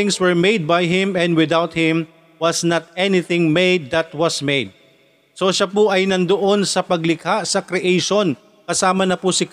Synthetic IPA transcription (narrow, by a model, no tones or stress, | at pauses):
ɪŋswɛɹmejd̪̚bajɦɪ̃mɛ̃nd̪wɪd̪awt̪̚hɪ̃m | wɐsnɐt̪̚ɛnɪθɪ̃ŋmejd̪ːɐt̪̚wɐsmejd̪̚ | so̞ʃapʊʔɐjnɐnd̪oʔo̞nsɐpɐɡlɪkasɐkɾɪʔejʃon | kɐsaːmɐnɐpʊsɪk